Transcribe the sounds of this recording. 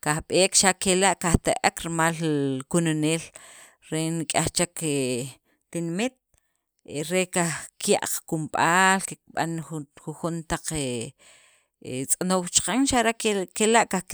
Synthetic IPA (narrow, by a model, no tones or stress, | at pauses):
kaxɓeːkʃaʔkelaʔkaxt̪aʔakɾimalkunoneːl | ɾenikʼaxt͡ʃake | t̪inmit̪̚ | eɾekahkja̰ʔqkumɓaːlkek̚ɓa̰nxuxunt̪aq͡χe | t͡sʼanowt͡ʃqaŋʃaʔɾakkelaʔka